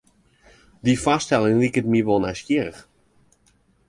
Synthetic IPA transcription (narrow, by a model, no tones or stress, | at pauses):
difastɛlˠɪŋlikətmiʋolˠnɛskiəɾəx